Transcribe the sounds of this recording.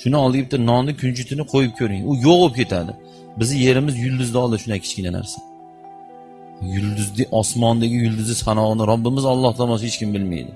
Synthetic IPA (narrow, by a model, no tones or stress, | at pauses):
ʃʊnɪɒlˠd̪ɪɡʲap̚t̪ːanɒnnɪkʲʰʊnt͡ʃʰʊt̪ʰɪnɪqʰojɪp̚kʲʰɵɾɪŋʊjoqbop̚kʲe̞t̪ʰad̪ɪ̰ | bɪzɪje̞ɾɪmɪzjʊlˠd̪ʊzd̪aɒlˠd̪ɪʃʊnakʲʰɪ̥t͡ʃkʲɪnana̰ɾsḁ | jʊlˠd̪ʊzd̪ɪʔɒsmɒnd̪aɡʲɪjʊlˠd̪ʊzɪsanɒʁɨnɪɾabːɪmɪzɒlˠːɒht̪ʰɒmɒshet͡ʃkʲɪmbɪlmḛjd̪ɪ